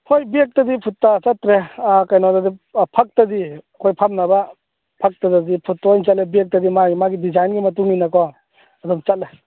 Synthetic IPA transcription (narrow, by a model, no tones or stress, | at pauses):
hojbiek̚tɐdipʰutːat͡ʃatɾekajnɔdadipʰak̚tadiɐkʰojpʰamnɐba | pʰak̚tadadipʰutːɔjnt͡ʃat̚lebiek̚tɐdimamaɡidizajnɡimɐtuŋinɐkɔ | ɐdɔmt͡ʃat̚le